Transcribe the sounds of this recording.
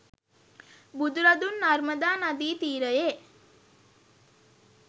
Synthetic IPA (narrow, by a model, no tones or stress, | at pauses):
bud̪uɾad̪unːarməd̪aːnad̪iːt̪iːɾəje